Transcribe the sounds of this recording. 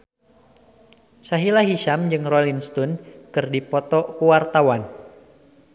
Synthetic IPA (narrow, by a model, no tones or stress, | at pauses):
saɦilaɦiʃamd͡ʒɨŋrolinst̪unkɨrdipɔt̪ɔkuwart̪awan